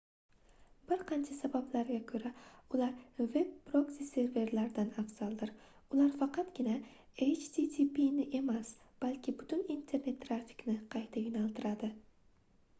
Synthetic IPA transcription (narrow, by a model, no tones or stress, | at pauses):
bɪɾqʰɑnt͡ʃʰasabablaɾɡʲakʰɵɾaʊlaɾve̞b̚ːɾoksise̞ɾve̞ɾlaɾd̪anafsalˠd̪ɪɾ | ʊlaɾfɑqʰɑt̪ɡʲɪna | et͡ʃt̪it̪ʰipinɪʔe̞mas | b̥alʲkʲʰɪbʊt̪ʰʊnint̪ʰe̞ɾne̞t̪ʰːɾafi̥knɪqʰɑjt̪ʰajʊnalˠt̪ʰɪɾad̪ɪ